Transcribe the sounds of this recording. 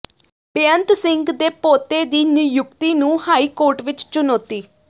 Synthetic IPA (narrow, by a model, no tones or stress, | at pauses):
peənt̪sɪŋɡd̪eːpoːt̪eːd̪iːnɪjʊkt̪iːnũːhaːiːkoːɾʈʋɪt͡ʃt͡ʃʊnoːt̪iː